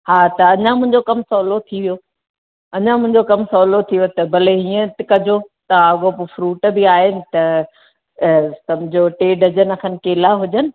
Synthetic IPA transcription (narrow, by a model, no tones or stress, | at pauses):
ɦaːt̪ɐɐɲãmʊ̃ɦɪ̃ɲd͡ʑokɐmsɔːlot̪ʰiʋijo | ɐɲãmʊ̃ɦɪ̃ɲd͡ʑokɐmsɔːlot̪ʰiʋjot̪ɐbɐleɦiːə̃t̪ɪkɐd͡ʑʱot̪ɐɐɠopofɾuːʈbɪaːɦɪnɪ̆t̪ɐ | sɐmʊd͡ʑʱoʈeːɖɐd͡ʑənɐkʰənɪ̆keːlaɦʊd͡ʑənɪ̆